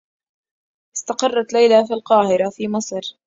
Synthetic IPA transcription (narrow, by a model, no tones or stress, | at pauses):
ʔɪst̪ɑqɑrˤːɑt̪lajlaːfiːlqɑːhɪɾafiːmɨsˤɾ